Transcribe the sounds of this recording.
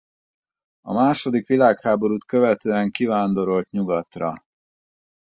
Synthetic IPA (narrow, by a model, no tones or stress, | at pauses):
ɒ̰maːʃo̞d̪ikʋilaːkhaːbo̞ɾuːt̪kø̞vɛt̪øːɛŋkivaːnd̪o̞ɾo̞lt̪ɲuɡɒt̪rɒ̰